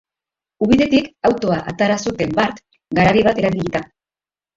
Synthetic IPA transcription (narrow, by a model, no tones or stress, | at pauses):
uβ̞iðe̞t̪ikawt̪o̞aʔat̪aɾasut̪e̞mbaɾt̪ | ɡaɾaβiβat̪e̞ɾaβiʎit̪a